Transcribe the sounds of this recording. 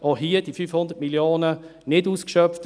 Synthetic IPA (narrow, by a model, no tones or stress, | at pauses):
ɔɦiːəd̥ifyfhʊndətmiljoːnənɪduːskʃœpft